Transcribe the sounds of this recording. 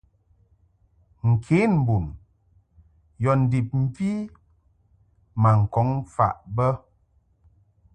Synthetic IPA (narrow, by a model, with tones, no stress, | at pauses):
ŋ̩˨kʰe˨˦n̩˨bu˨n | jɔ˨n̩˨di˨p̚m̩˦vi˦ | ma˨ŋ̩˨kɔ˨˦ŋfa̰˨ʔbə˦